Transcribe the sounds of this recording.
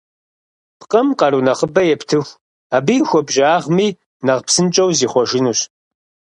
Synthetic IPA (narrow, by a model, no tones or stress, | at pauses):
pqʼɐmqɑɾunɐχəbɐjɛptʰɨxʷ | aːbijxʷɔbʒaːʁmiː | nɐʁpsɨnt͡ʃʼɐwziːχʷɔʒɪnuːɕ